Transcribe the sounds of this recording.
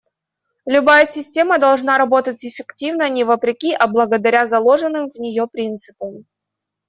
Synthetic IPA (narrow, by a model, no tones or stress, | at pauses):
lʲʊbajəsʲɪsʲtʲe̞məd̪ɐlˠʐnaɾɐbo̞t̪ətʲɪfʲɪktʲivnənʲɪvəpɾʲɪkʲiʔɐblˠəɡəd̪ɐɾʲazɐlˠo̞ʐɨnːɨmvnʲɪjopɾʲint̪sɨpəm